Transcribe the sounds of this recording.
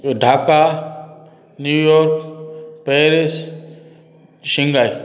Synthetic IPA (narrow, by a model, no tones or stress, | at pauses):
ɖʱaːka | njuːjɔːɾkpeːɾis | ʃiŋɡaj